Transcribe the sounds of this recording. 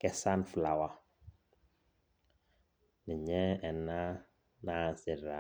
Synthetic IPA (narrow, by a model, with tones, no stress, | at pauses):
kɛ˦sa˦nfla˨wa˦ | ni˨ɲɛ˦ɛ˨na˦ | na˨˦˨sɪ˨ɾa˨